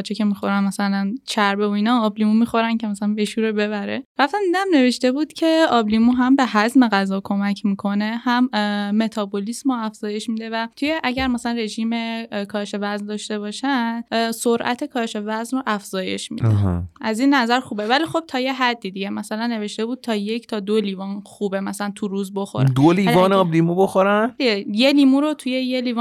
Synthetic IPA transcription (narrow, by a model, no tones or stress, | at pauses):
t͡ʃʰecʰe̞mixo̞ɾænmæsælænt͡ʃʰæɾbeoiːnɒːblimumixo̞ɾæncʰemæsælænbeʃuːɾobe̞βæɾeɾæft̪æmd̪id̪æmne̞ve̞ʃt̪e̞buːd̪̥cʰe̞ɒːblimuɦæmbe̞ɦæzme̞ɣæzɒːkʰo̞mæcʰmiːkʰo̞ne̞hæmːe̞t̪ʰɒːbolismoæfz̥ɒːje̞ʃmiːd̪e̞væt̪ʰuje̞ʔæɟæɾmæsælænre̞ʒiːme̞kʰɒːʃe̞væznd̪ɒːʃt̪e̞βɒːʃænd̪soɾʔæ̰t̪ʰekʰɒːʃe̞væznroʔæfz̥ɒːje̞̰ʃmḭːd̪̰æziːnːæzæɾxuːbevæliːxo̞b̥̚t̪ʰɒːje̞ɦæd̪ːid̪iɟe̞mæsælænːe̞ve̞ʃt̪e̞buːd̪̚t̪ʰɒːjecʰt̪ʰɒːd̪oliːvɒːnxuːbemæsælænt̪ʰuɾuːzbo̞xo̰ɾæ̰d̪oliːvɒːnɒblimuboxoɾænd̪iɟeje̞liːmuɾot̪ʰuje̞je̞liːv